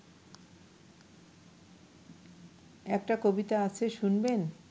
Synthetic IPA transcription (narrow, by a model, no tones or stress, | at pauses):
ɛk̚ʈakobit̪aat͡ɕʰeʃunben